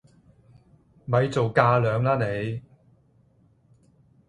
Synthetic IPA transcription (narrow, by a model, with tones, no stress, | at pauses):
mɐ˨˧jt͡so˨wkaː˧lœː˨˧ŋlaː˥ne˨˧j